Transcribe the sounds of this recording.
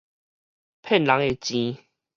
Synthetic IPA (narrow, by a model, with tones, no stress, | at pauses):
pʰɛ˥˨nla˨˦ŋe˨t͡ɕĩ˧